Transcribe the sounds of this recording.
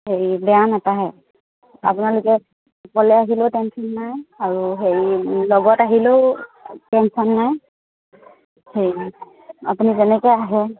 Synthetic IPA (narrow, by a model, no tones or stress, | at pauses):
hejbɛanɛtaɦɛ | apunalʊkɛ | pɔlɛaɦilotɛnsɔnːajaɹuɦejlɔɡɔtaɦiloʊtɛnsɔnːaj | hej | a̰punizɛnɛkɔjaɦɛ